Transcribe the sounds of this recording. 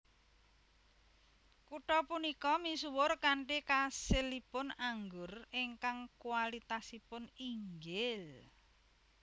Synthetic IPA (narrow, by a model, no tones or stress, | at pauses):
kuʈɔpunikɔmisuwʊrkaɳʈikaselipʊnaŋɡʊrɪŋkaŋkualit̪asipʊniŋɡɪl